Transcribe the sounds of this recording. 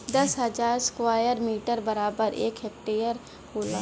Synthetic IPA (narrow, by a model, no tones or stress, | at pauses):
d̪ɐsɦəzaːɾskʋaːjəɾmiːʈəɾbəɾaːbəɾḛːkɦek̚ʈeːjəɾ | hoːlaː